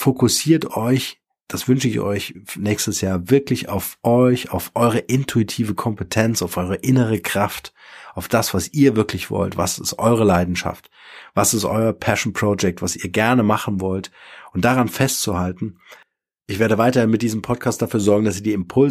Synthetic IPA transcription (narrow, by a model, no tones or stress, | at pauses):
fokʰʊsiːɐtɔʏ | d̥asv̥ʏnʃəɪçɔ̰ʏçnɛːçstəsjaːɐvɪɐklɪça̰ʊfʔɔʏça̰ʊfʔɔʏʁ̞əʔɪntʰuitʰiːvəkʰɔmpətʰɛnt͡saʊfʔɔʏʁəʔɪnəʁəkʁ̥aft | ʔaʊfd̥asv̥asiːɐvɪɐklɪçv̥ɔ̰ltv̥a̰sɪstʔɔʏʁ̞əlaɪdn̩ʃa̰ft | v̥asɪstʔɔ̰ʏɐpʰɛʃn̩pʁ̥od͡ʒɛk̚tv̥asiːɐɡɛɐnəmaχn̩vɔltʔʊnt̚d̥aʁanfɛstt͡suhaltn̩ | ʔɪçv̥eːɐɾəvaɪtɐhɪnmɪt̚d̥iːzəmpʰɔt̚kʰaːst̚d̥afyːɐzɔɐɡŋ̩dasiːɐdiːɪmpʰʊl